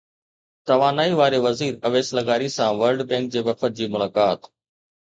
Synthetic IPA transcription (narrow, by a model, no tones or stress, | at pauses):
t̪ɐʋaːnaːiʋaːɾeʋɐziːɾɐʋeːslɐɡaːɾisãʋɐɾlɖbɛ̃ːŋk̚d͡ʑeːʋɐfət̪̚d͡ʑiːmʊlaːkaːt̪